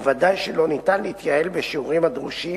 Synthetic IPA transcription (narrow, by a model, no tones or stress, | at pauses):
vad̪ajʃelo̞nit̪anlehit̪jae̞lbeʃiuʁimhad̪ʁuʃi